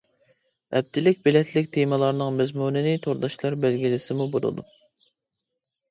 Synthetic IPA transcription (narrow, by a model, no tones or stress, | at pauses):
ɛ̰b̚t̪ʰɪlɪk̚ʲbɪlɛt̪ʰlɪkʲt̪ʰemɨlˠɑɾnɨŋmɛzmunɪnɪt̪ʰoɾd̪ɑʃlˠɑɾbælɡʲilɪsɪmubolˠɨ̰d̪u